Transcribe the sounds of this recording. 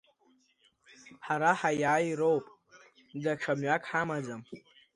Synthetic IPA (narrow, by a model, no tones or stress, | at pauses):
ħaɾaħajaːjɾo̞wpʼ | daʈ͡ʂʰamɥakʼħamad͡zam